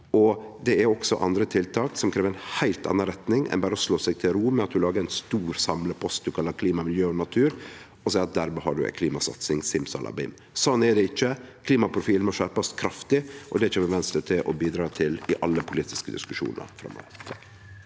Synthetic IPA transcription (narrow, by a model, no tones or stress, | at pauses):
ɔ | d̪ɛæɾɔksɔ̰ʔɑ̰nd̪ɾət̪ʰɪlt̪ʰɑːksɔmkʰɾeːʋəɾɛnhæɪlt̪ɑ̰nːɑnɾɛt̪nɪŋɛ̰nbæːɾəɔsloːsɛɡ̚t̪ʰɪlɾuːmɛɑt̪̚d̪ʉlɑːɡəɛɪnst̪uːɾsɑmləpʰɔst̪̚d̪ʉkʰɑlːɑɾkʰliːmɑmɪljøːɔnɑt̪ʰʉːɾ | ɔsæɪɑt̪̚d̪æɾmɛɦɑ̰ɖʉɛ̰kʰliːmɑsɑ̰t̪sɪŋsɪmsɔ̰nʔɑ̰bḭm | sɔnːɛɖɛɪt͡ʃːəkʰliːmɑpʰɾʊfiːlnmɔʃæɾpɑst̪kʰɾɑft̪ɪʔɔd̪ɛɪt͡ʃɛːʋɛʋɛnst̪ɾət̪ʰɪʔɔbiːd̪ɾɑːt̪ʰɪlɪʔɑlːəpʰʊliːt̪ɪskəd̪ɪ̰skʉʂṵːnə̰ɾfɾɑ̰mːo̰ːʋət̪ʰɑk